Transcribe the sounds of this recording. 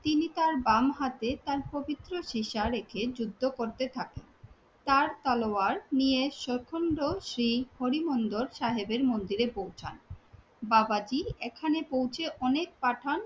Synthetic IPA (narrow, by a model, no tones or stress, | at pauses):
t̪init̪aɾbamɦat̪et̪aɾpobit̪ːɾoʃiʃaɾekʰed͡ʑud̪ʱːokoɾt̪et̪ʰaken | t̪aɾt̪aloaɾnieʃoɾkʰoɳɖoʃɾihoɾimond̪oɾʃaɦebeɾmond̪iɾepowt͡ɕʰa̰n | babad͡ʑiekʰanepowt͡ɕʰeʔɔnek̚paʈʰan